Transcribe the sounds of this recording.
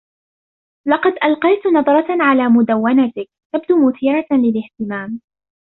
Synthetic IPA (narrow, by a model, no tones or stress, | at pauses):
lɑqɑd̪ʔɑlqɑjt̪nɑðˤɾˤɑʕalaːmʊd̪awːanat̪ɪk̚ | t̪ab̚d̪uːmʊθiːɾalɪlɪht̪ɪmaːm